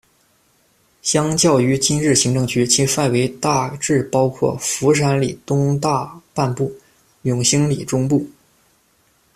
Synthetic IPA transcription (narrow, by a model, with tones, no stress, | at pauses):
ɕjɑ˥ŋt͡ɕjɑ˥˩ʊy˧˥t͡ɕi˥nɻɻ̩˥˩ɕi˧˥ŋʈ͡ʂɤ˥˩ŋt͡ɕʰy˧˥t͡ɕʰi˧˥fa˥˩ɪwe˧˥ɪt̪a˥˧ʈ͡ʂɻ̩˥˩pɑ˥ʊkʰwɔ̰˥˩fu˧˥ʂ̬a˧˥nli˨˩t̪ʊ˥ŋt̪a˥˧pa˥˧npu˥˩ | jʊ˨˩ŋɕi˥ŋli˨˩ʈ͡ʂʊ˥ŋpu˥˩